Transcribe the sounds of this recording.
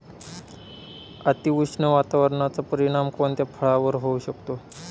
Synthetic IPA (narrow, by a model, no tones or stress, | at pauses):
ət̪iːʋuʂɳəʋat̪aʋəɾɳat͡sapəɾiɽ̃amkoɳt̪japʰəɭaʋəɾɦouɕəkt̪o